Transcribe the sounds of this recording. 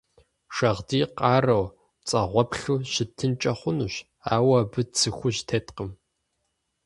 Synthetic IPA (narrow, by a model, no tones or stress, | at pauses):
ʃɐʁdiːqʼɑːrɐw | t͡sʼɐʁʷɔpɬuːɕɪtʰːɨnt͡ʃʼɐχʷʊnuɕ | a̰ːwɐbɨt͡sʰɨxʷʊʑtʰeːtqəm